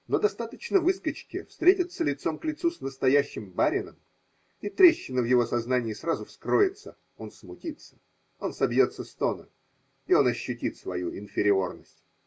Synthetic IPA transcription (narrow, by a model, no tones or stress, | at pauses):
no̞d̪ɐst̪at̪ət͡ɕnəvɨskət͡ɕkʲɪfst̪ɾʲetʲət̪sːəlʲɪt̪so̞mklʲɪt̪susnəst̪ɐjæɕːɪmbaɾʲɪnəm | it̪ɾʲeɕːɪnːəvjɪvo̞sɐznanʲɪɪsrazʊfskɾo̞jɪt̪sə | o̞nsmʊtʲit̪sə̥ | o̞nsɐbjo̞t̪səst̪o̞nə̰ | ɪo̞nɐɕːʊtʲit̪svɐ̰juʔɪnfʲɪɾʲɪo̞rnəsʲtʲ